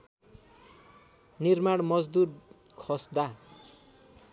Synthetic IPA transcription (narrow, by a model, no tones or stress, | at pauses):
nirmaɽmʌd͡zd̪udkʰʌsd̪a